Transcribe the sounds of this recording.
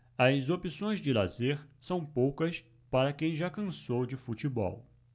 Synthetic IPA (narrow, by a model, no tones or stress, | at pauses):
ɐzopisõj̃zd͡ʒɪla̰zeɾsɐ̃w̃powkɐs | paɾɐkẽj̃ʒakɐ̃sowd͡ʒɪfut͡ʃibɔ̰w